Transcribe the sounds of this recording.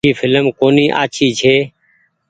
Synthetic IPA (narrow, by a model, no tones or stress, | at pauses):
iːfʰɪləmkoːniːʔa̰ːt͡ʃʰiːt͡ʃʰeː